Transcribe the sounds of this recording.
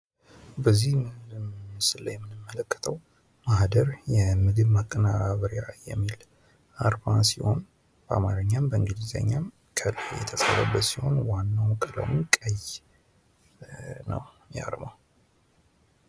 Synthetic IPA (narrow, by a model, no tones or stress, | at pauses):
bəzːihmsɨlːəjɛmːɨnɨmːələkːə̥t̪ʰəw | mahd̪əɾjɛmɨɡɨβmakʼːənaɾaβəɾiajɛ̰mːil | ʔaɾbasiho̞̰n | b̥əamaɾɨɲːambəɨŋɡɨlizə̰ɲːam | kʰəlajɛ̰t̪ʰəsəɾəbːət̪siho̞̰nwanːawkʼələ̰wɨnkʼəj | nə̰w | ja̰ɾmaw